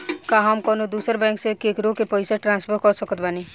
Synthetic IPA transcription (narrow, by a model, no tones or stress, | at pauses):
kaɦamkɔːnod̪uːsəɾbɛ̃ːŋksekeːkɾokepəɪsaʈɾãːnspʰəɾ̚kɔɾsəkət̪bani